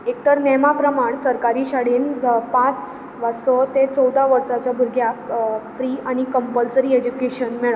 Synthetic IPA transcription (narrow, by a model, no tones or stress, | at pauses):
ek̚t̪əɾnemapɾəmaɳsəɾkaɾiːɕaɽiːnpãt͡s | ʋasɔt̪et͡sɔwd̪ʱaʋəɾsat͡ɕjabʱuɾɡʱjafɾiːaɽ̃ikəmpəlsɾied͡ʑukeɕənmɛɭa